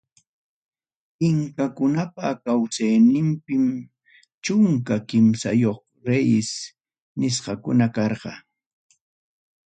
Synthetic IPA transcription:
ɪŋkakʊnapakawsajnɪmpɪm | t͡ʃʊŋkakɪmsa̰joχ | ɾejɪs | nɪsqɑkʊnakɑɾɢɑ̰

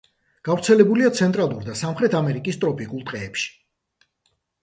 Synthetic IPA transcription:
ɡ̥avɾt̪sʰɛlɛbuliat̪sʰɛnt̪ʼɾalˠuɾd̪asamχɾɛt̪ʰamɛɾikʼist̪ʼɾɔpʼikʼulˠt̪ʼqʼɛːpʃi̥

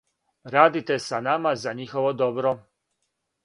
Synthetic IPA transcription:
ɾaːd̪it̪esanamazaɲixoʋod̪obɾo

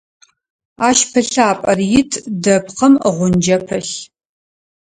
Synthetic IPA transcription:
aːʃpʰɨɬaːpʼɐrjɪtʰdɐpqʰɐməʁʷʊnd͡ʒɐpʰɨɬ

